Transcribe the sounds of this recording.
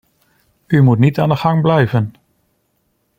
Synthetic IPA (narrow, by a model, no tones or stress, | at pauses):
ymutnitaːndəχɑŋblɛjvən